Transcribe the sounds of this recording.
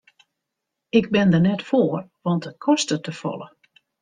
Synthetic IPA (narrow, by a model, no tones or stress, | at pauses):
ɪɡ̚bɪndərnɛtfoərʋɑntət̚kʰɔstətəfɔ̰lˠə